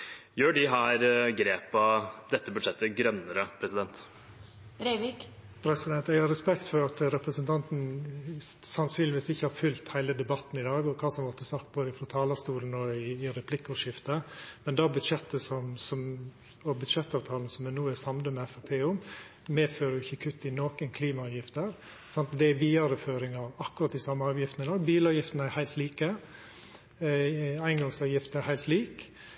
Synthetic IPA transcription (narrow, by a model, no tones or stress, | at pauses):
jøːɖɪɦæːɾɡɾeːpɑd̪ɛt̪ːəbʉd̪ʂɛt̪ːəɡɾœnːəɾəpʰɾɛsɪd̪ɛnt̪ | ɾeɪʋɪk | pʰɾɛsɪd̪ɛnt̪ɛɡhɑɾɛspɛkt̪fɔɾɑt̪ɾɛpɾəsənt̪ʰɑnt̪n̩ | sɑnsyːnlɪʋɪːsd̪ɛɪçːəhɑɾfʉlt̪hæɪləd̪ɛbɑt̪n̩ɪd̪ɑːɡɔkʰɑːsɔmɔt̪ʰːəsɑkt̪̚boːd̪əɪfɾɔt̪ʰɑːlɑst̪uːln̩ɔɪːɾɛpʰlɪkːʊʂɪft̪əmɛnd̪ɑːbʉd̪ʂɛt̪ːəsɔmsɔm | ɔbʉd̪ʂɛt̪ːɑːʋt̪ʰɑːln̩sɔmɛnuːæsɑmd̪əmɛɛfæpʰeːʊm | meːd̪føːɾəjʊɪçːəkʰʉt̪ːɪnoːkənkʰliːmɑɑːʋjɪft̪əɾ | sɑnt̪d̪ɛæʋiːɑɾəføːɾɪŋɑʋɑkːʉɾɑt̪ːɪsɑmːəɑːʋjɪft̪nɪd̪ɑːɡbiːlɑːʋjɪft̪næɾhæɪt̪liːkə | æɪnɡɑŋsɑːʋjɪft̪əæɾhæɪlt̪liːk